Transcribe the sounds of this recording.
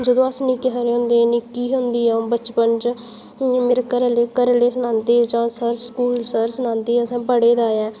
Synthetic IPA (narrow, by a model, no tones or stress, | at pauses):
d͡ʒəd̪õːəsnĩːkɪɦaɾeːɦʊ̃nd̪eːnikiːɦʊnd̪iːɛ̃ːbət͡ʃpənt͡ʃ | meːɾekəɾleːkəɾleːsənãːnt̪eːd͡ʒãːsəɾskuːlsəɾsənãːnd̪eːəsãːpəɽeːd̪aːɛː